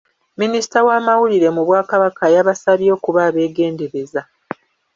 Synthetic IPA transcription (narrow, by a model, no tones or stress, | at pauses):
minisi̥tawaːmawuliɾe̞muβwaːkaβakajaβasaβjo̞ːkuβaːβe̞ːɡe̞ːnde̞ɾe̞za